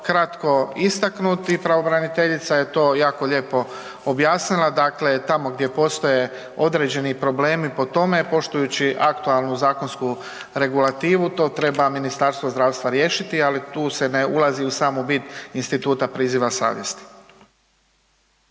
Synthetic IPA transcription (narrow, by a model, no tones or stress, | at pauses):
kɾat̪ko̞ist̪aknut̪ipɾaʋo̞bɾanit̪e̞ʎit̪saje̞t̪o̞ːjaːko̞ʎe̞ːpo̞ | objaːsnilˠad̪akle̞t̪amo̞ɡd̪je̞po̞st̪o̞je̞ | o̞d̪ɾe̞ːd͡ʑe̞nipɾo̞ble̞ːmipo̞t̪o̞me̞po̞ʃt̪ujut͡ɕiʔakt̪ualˠnuzaːkonsku | ɾe̞ɡulat̪iːʋut̪o̞ːt̪ɾe̞baminist̪aɾst̪ʋozd̪ɾaːʋst̪ʋaɾje̞ːʃit̪ialit̪uːse̞neulˠaziusaːmubit̪inst̪it̪uːt̪apɾiːziʋasa̰ːʋjest̪i̥